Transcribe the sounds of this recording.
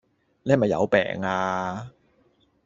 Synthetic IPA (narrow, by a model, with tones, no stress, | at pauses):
nɛː˥˨mɐ˨jɐ̰˨˧wpɛ̰ː˨˩ŋaː˧